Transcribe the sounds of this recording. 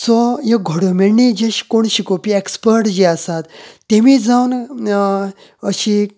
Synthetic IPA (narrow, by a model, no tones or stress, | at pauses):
sɔɦeɡʱɔɽomiɭnid͡ʑeɕi̥koɳɕikopiekspəɾʈd͡ʑiasat̪ːemid͡zaun | əɕi